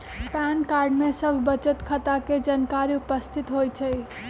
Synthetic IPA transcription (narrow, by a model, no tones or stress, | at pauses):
pɛnkaɾɖmesəbʱbət͡ʃət̪kʰət̪aked͡ʒankaɾiupəst̪ʰit̪ɦojt͡ʃʰəj